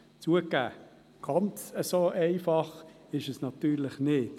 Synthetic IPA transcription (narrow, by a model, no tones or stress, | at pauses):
t͡suəkæ̰ː | ɡ̥ɑnt͡səsoːʔɛɪfɑχ | ɪʃəsnɑt̪yːɾlɪχnɪt